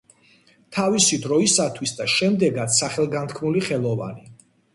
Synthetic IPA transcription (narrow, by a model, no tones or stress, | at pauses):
t̪ʰavisid̪ɾɔisat̪ʰwisd̪aʃɛmd̪ɛɡat̪ssaχɛlˠɡant̪ʰkʰmuliχɛlˠɔva̰ni